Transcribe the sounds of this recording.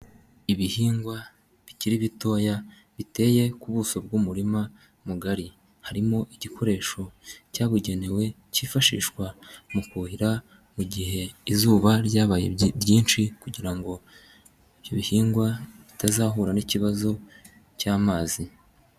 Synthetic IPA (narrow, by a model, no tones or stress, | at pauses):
iβihiːŋɡwa | βiciɾiβito̞ːja | βite̞ːje̞kuβuːso̞bɡuːmuɾima | muɡaɾi | haɾimo̞ʔiɟikʰo̞ɾe̞ːʃo̞caːβuɟe̞ne̞we̞ | ciːfaʃḭːʃkwamukuhiɾa | muɟihe̞izuːβaɾɟaːβajḛjiːnʃikuɟiɾaŋɡo̞ | iβjoβihiːŋɡwaβitazaːɦuɾaniciβazo̞ | caːmaːzi